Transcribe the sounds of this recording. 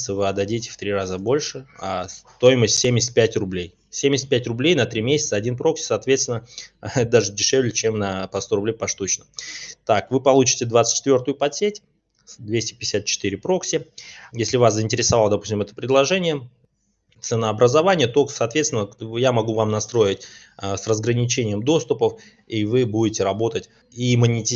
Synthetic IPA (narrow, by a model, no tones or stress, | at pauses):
t̪səvɨɐd̪ɐdʲitʲɪ̥ft̪ɾʲirazəbo̞lʲʂɨast̪o̞jɪməsʲtʲsʲemʲɪsʲt̚ʲpʲætʲrʊblʲej | sʲemʲɪsʲɪt̪̚ʲpʲætʲrʊblʲejnɐt̪ɾʲimʲesʲɪt̪səɐdʲinpɾo̞ksʲɪ̥sɐːt̪vʲet̪st̪ʲɪnəd̪aʐɨdʲɪʂɛvlʲɪt͡ɕe̞mnɐpɐst̪o̞ɾʊblʲejpɐʂt̪ut͡ɕnəmt̪akvɨpɐlˠut͡ɕɪ̥tʲɪd̪vat̪stʲt͡ɕːɪt̪vʲo̞rt̪ʊjʊpɐtsʲetʲ | d̪vʲesʲtʲɪ̥pʲɪjɪsʲat̪̚t͡ɕɪ̥t̪iɾʲɪpɾo̞ksʲɪjesʲlʲɪvaszəɪnʲtʲɪɾʲɪsɐvalˠəd̪ɐpu̥sʲtʲɪmɛt̪ə̥pɾʲɪd̪lˠɐʐɛnʲɪjə | t̪sɨnəɐbɾəzɐvanʲɪjət̪o̞sɐːt̪vʲet̪st̪ʲɪnəjamɐɡuvamnɐst̪ɾo̞jɪt̚ʲ | srəzɡɾənʲɪt͡ɕenʲɪjəmd̪o̞st̪ʊpəf | ivɨbudʲɪtʲɪɾɐbo̞t̪ətʲ | imənʲɪtʲɪ